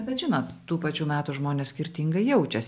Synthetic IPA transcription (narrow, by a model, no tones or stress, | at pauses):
bʲɛt̪ʒʲɪnoːt̪tuːpɑt͡ʃʲuːmʲæːt̪uʒmoːnʲeːssʲkʲɪɾʲt̪ʲiŋɡɐɪjɛʊt͡ʃʲɛsʲ